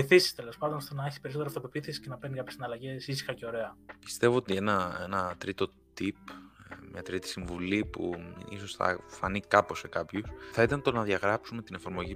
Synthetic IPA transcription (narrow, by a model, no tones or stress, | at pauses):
iθisi̥st̪e̞lo̞spɐnd̪o̞nst̪onɐeçispe̞ɾisoteɾɐft̪opopiθisi̥sce̞nɐpenikɐpçeinɐlɐʝe̞sisi̥xɐceo̞ɾe̞ɐpi̥st̪e̞vo̞ot̪ie̞nɐenɐt̪ɾit̪o̞ | t̪ipmɲɐt̪ɾit̪i̥siɱvulipṵḭso̞sθɐ̰fɐ̰nikɐpo̞se̞kɐpçusθɐit̪ɐnt̪o̞nɐðʝɐɣɾɐpsume̞t̪ine̞fɐɾmo̞ʝi